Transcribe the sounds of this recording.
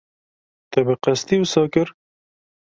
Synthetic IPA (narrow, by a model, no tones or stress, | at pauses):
t̪ɛbɨqæst̪iusɑːkɨɾ